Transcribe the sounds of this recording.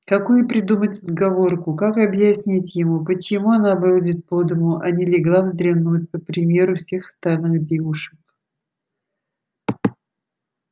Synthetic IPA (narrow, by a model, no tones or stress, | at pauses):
kɐkujʊpɾʲɪd̪umətʲəd̪ɡɐvo̞rkʊkakɐbjɪsʲnʲitʲjɪmupət͡ɕɪmuɐnavɨudʲɪt̪̚pod̪ɨmʊʔɐnʲɪlʲɪɡlˠavzd̪ɾʲɪvnut̚ʲpəpɾʲɪmʲe̞ɾʊfsʲe̞xə̥st̪alʲnɨxdʲevʊʂə̥k